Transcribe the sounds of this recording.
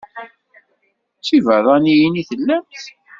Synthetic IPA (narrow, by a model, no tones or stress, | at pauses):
t͡sːivəðˤɑnijiniθəlːæmt̪